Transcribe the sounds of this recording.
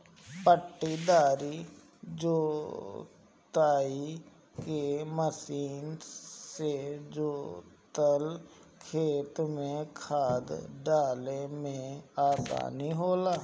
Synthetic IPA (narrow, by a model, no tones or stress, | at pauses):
pəʈːid̪aːɾi | d͡ʒoː | t̪aːi | keməsiːnsed͡ʒoːt̪əlkʰeːt̪mẽkʰaːd̪ɖaːlemẽaːsa̰ːniɦoːlaː